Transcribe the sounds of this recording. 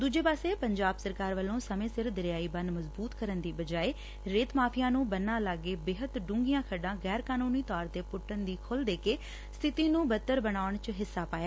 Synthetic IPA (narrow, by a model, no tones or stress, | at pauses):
d̪uːd͡ʒeːpaːseːpəɲd͡ʒaːbsəɾkaːɾʋəlːõːsəmẽːsɪɾd̪ɪɾɪjaːiːbə̃nd̪məzbuːt̪kəɾənd̪iːbəd͡ʒaːeː | ɾeːt̪maːpʰijãːnũːbənːaːlaɡːeːbeːɦət̪ɖũːŋɡijãːkʰəɖãːɡɛːɾkaːnuːniːt̪ɔːɾt̪eːpʊʈːənd̪iːkʰʊld̪eːkeː | st̪ʰɪt̪iːnũːbət̪ːəɾbənaːʊɳt͡ʃɦɪsːaːpaːjaː